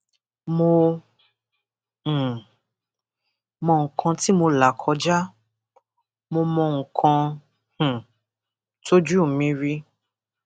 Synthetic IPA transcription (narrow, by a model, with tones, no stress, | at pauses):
mo˧˨ | mɔ̃˧ŋ̩˨kʰã˧ti˦mo˧la˨kʰɔ˧d͡ʒa˦ | mo˧mɔ̃˧ŋ̩˨kʰã˧˨ | tʰo˦d͡ʒu˦˨mĩ˧ɾi˧˦